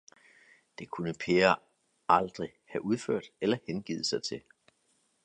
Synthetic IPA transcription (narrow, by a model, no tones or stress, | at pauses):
d̥e̝kʰunəpʰe̝ːɐ | ɑld̥ʁi | hæʔuð̞ˠføɐ̰d̥elɐhenɡ̥ḭːð̞ˠəsɑ̈ɪt͡sʰe̝l